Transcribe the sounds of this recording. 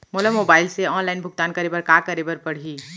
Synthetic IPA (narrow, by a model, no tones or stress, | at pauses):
moːləmoːbaːɪlseɔːnlaːɪnbʱʊɡ̚t̪aːnkɐɾeːbəɾkaːkɐɾeːbəɾpɐɽ̤iː